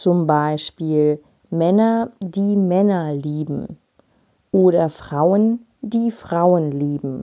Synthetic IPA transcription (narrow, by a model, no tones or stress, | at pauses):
t͡sʊmbaɪʃpiːl | mɛnɐdiːmɛnɐliːbm̩ | ʔoːɾɐfʁ̥aʊən | diːfʁ̥aʊənliːbm̩